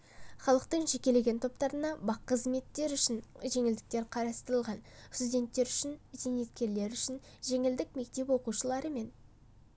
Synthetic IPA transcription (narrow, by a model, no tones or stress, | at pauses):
χɑlˠəqt̪əɴʒe̞kʲe̞le̞ɡʲe̞nt̪ʰo̞p̚t̪ɑɾənɑbɑqːəzme̞t̪ːe̞ɾʏʃɪnʒe̞ŋɪld̪ɪk̚t̪e̞ɾqʰɑɾɑst̪əɾəlˠʁɑnst̪ud̪ʲe̞nt̪ːe̞ɾʏʃɪnzene̞t̪kʲe̞ɾle̞ɾʏʃɪn | ʒe̞ŋɪld̪ɪkme̞k̚t̪e̞pwo̞quʃəlˠɑɾəme̞n